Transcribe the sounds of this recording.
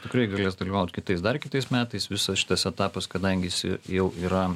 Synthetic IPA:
t̪ʲɪkɾɐɪɡɐlʲeːsd̪ɐlʲiːʋɐʊt̪ʲkʲɪt̪ɐɪsd̪ɐrkʲɪt̪ɐɪsmʲæːt̪ɐɪsʋʲɪsɐsʃʲɪ̥t̪ɐsɛt̪ɑːpɐskɐd̪ɐŋʲɡʲɪjɪsɪ̰jɛʊiːɾɐ

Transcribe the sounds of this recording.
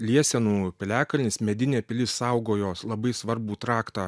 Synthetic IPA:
lʲiɛsʲɛnuːpʲɪlʲæːkɐlʲnʲɪsmʲɛd̪ʲɪnʲeːpʲɪlʲɪssɑˑʊɡoːjoːslˠɐbɐɪsʋɐɾbuːt̪ɾɑːkt̪ɑː

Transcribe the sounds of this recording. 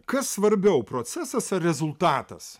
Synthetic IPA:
kɐsːʋɐɾʲbʲɛʊpɾoːsʲæsɐsɐɾʲɛzʊlˠt̪ɑːt̪ɐ̰s

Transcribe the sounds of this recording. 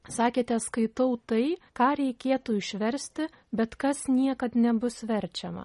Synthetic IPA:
sɑːkʲeːt̪ʲɛɐt̪skɐɪt̪ɐʊt̪ɐɪkɑːɾʲɛɪkʲeːt̪ʊɪʃʲʋʲɛɾʲsʲt̪ʲɪ | bʲɛt̪kɐsnʲiɛkɐt̪nʲɛbʊsʋʲɛɾʲt͡ʃʲɛmɐ̰

